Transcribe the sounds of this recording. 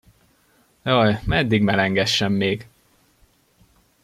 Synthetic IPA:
jɒjmɛd̪ːiɡmɛlɛŋɡɛʃːɛmːeːɡ

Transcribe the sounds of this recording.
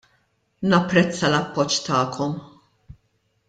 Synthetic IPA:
nɐpːɾɛt͡sːɐlɐpːɔt͡ʃːt̪ɐːkʰɔm

